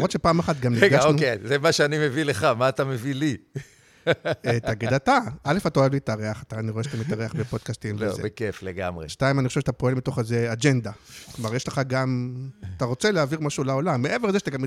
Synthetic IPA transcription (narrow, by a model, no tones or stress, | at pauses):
amot̪ʃepaːmaχat̪ɡamnieɡaʃonukezemaʃeanimevileχamaːt̪amevili | t̪aɡid̪at̪aʔalefat̪aoevliːtaʁeaχat̪aːniʁoeʃat̪amit̪aʁeaχbepo̞d̥̪̚kast̪imvḛzbekefleɡa̰mʁeʃtaimanixoʃeʃat̪apo̞e̞lmit̪o̞χezead͡ʒe̞nd̪aklomaʁjeʃleχaɡamat̪aʁo̞t͡seleaviʁmaʃulaolamːeʔevelzeʃḁt̪aɡam